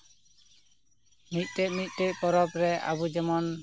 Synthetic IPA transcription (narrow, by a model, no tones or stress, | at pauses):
mit̪̚ˀtɛʔmit̪̚ˀt̪ɛʔpɔɾɔpɾɛa̰bud͡ʒɛmɔn